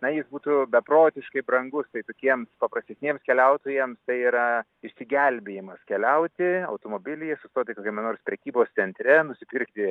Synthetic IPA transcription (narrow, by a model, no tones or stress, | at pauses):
nɐjɪsbuːt̪ubʲɛproːt̪ʲɪʃkɐɪbɾɐŋɡʊst̪ɐɪt̪oːkʲiɛmspɐpɾɐsʲt̪ʲɛsʲnʲiɛmskʲɛlʲɛʊt̪oːjɛmst̪ɐɪiɾɐ | ɪʃʲsʲɪɡʲɛlʲbʲeːjɪmɐskʲɛlʲɛʊt̪ʲɪɐ̰ʊt̪oːmoːbʲɪlʲɪjɛsʊst̪oːt̪ʲɪkoːkʲɛmʲɛnoːɾʲspʲɾʲɛkʲiːboːst̪sʲɛnʲt̪ʲɾʲɛnʊsʲɪpʲɪrkt̪ʲɪ